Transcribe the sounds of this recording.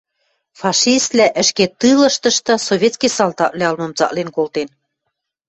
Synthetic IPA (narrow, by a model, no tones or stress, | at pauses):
fɑʃist̪læʔɘ̆ʃket̪ɯlɤ̆ʃt̪ɤ̆ʃt̪ɤ̆soβʲet̪skʲisɑlt̪ɑʔleɑlmɤ̆mt͡sɑ̰ʔlenkolt̪en